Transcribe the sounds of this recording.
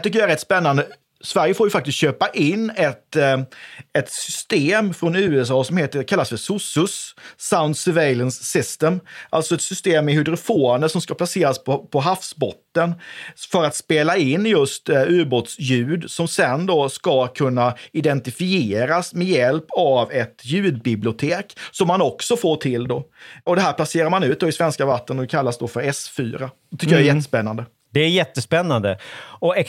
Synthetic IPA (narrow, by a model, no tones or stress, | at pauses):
t̪ʏk̬ːəjaɛɾɛt̪ːspɛnːand̪ə | svæɾjəfoːɾjɵfak̚t̪ɪst̪ɕøːpaʔɪnːɛt̪ | ɛt̪sʏst̪eːmfɾɔnʉ̟ːɛs̬ɑːsɔmheːt̪əkʰalːasfœɾsʊsɵsːaʊnd̪sɪveɪlənsːɪst̪ɛmʔa̰lt̪sɔɛt̪sʏst̪eːmːɛhʏd̪ɾʊfoːanəʂɔmskapʰlaseːɾaspɔpʰɔɦafsbɔt̪ːənfœɾat̪speːlaɪnːjɵst̪ʉ̟ːɾbot̪sjʉ̟ːd̪sɔmsɛnd̪ɔskakʰɵnːaɪd̪ɛnt̪ɪfɪeːɾasmɛjɛlpavɛt̪jʉ̟ːd̪̚bɪblɪʊt̪ʰeːksɔmːanɔksɔfoːʈʰɪld̪oːɔd̪ɛɦæːɾpʰlaseːɾaɾmanʉ̟ːt̪̚d̪oːɪsvɛnskavat̪ːənɔɛkʰalːasd̪ofœɾɛsfyːɾa | ɛt̪ʏkːəjaɛɾjɛt̪ːəspɛnːand̪ə | d̪̥ɛæɾjɛt̪ːəspɛnːand̪əɔɛ